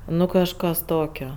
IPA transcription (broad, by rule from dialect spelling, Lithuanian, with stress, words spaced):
ˈnʊ kɐʃˈkɐs ˈtoːkʲoː